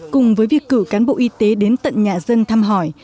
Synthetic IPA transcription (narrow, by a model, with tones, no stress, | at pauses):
kʊ˨˩ŋ͡mvəː˨˦jvi˨˩əkːɨ˧˩kaː˨˦nɓo̰˧˨ʔi˧t̪e˨˦ɗe˨˦nt̪ə̰˧˨nɲaː˨˩zə˧nt̪ʰaː˧mɦɔ˧˩j